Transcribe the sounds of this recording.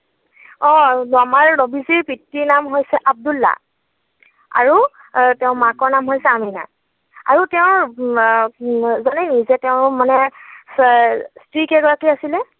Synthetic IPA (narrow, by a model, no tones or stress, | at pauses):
ɔ̃damaɹnobiziɹpitːinamɦojsɛʔab̚dulːa̰ | a̰ɹu | tɛʊ̃makɔɹnamɦojsɛamina̰ | a̰ɹutɛʊ̃ | zɔnɛnizɛtɛʊ̃manɛ | stɹikɛɡɔɹakiasilɛ